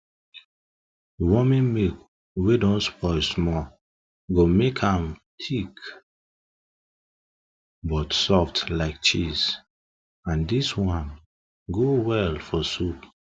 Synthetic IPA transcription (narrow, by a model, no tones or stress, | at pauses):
wɔmĩnmek | wedɔ̃nspʰɔɪsmɔ | ɡomekʰãmtʰik | bɔtsɔftlaɪk̚t͡ʃiz | ãndiswãn | ɡowɛlfɔsup